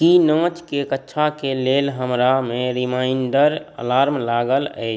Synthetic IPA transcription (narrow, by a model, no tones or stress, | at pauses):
kinɔ̃ːt͡ʃkekətːʃʰakeleːlɦəmɾamẽɾimaːɪɳɖəɾə̰laːɾmlaːɡələ̰ɪ